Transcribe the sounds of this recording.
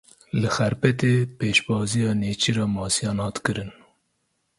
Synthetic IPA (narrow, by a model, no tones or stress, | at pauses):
lɨxɛɾpɛt̪eːpeːʃbɑːzijɑːneːt͡ʃʰiɾɑːmɑːsijɑːnhɑːt̪kɨɾɨn